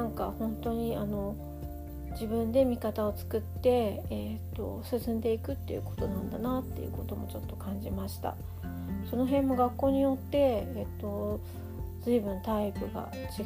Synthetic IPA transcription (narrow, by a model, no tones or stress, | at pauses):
ãŋkahõ̞nt̪o̞ɲ̟iano̞ | d͡ʑibɯ̟̃nd̪e̞mʲikat̪ao̞t͡sɨ̥kɯ̟t̪ːe̞et̪ːo̞̰sɨsɨ̃nd̪e̞ikɯ̟t̪ːe̞̰jɯ̟̰ko̞̥t̪o̞nãnd̪anat̪ːḛɯ̟̰ko̞t̪o̞mo̞̰t͡ɕo̞t̪ːo̞kãɲ̟d͡ʑimaɕi̥t̪a̰ | so̞no̞ɦẽ̞mːo̞ɡakːo̞ːɲ̟ijo̞t̪ːe̞ːt̪ːo̞ | zɨibɯ̟̃nt̪aipɯ̟ɡa̰ | t͡ɕi